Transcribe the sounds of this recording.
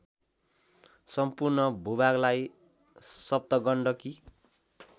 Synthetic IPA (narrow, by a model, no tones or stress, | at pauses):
sʌmpurnʌbʱubaɡlaj | sʌb̚t̪ʌɡʌɳɖʌki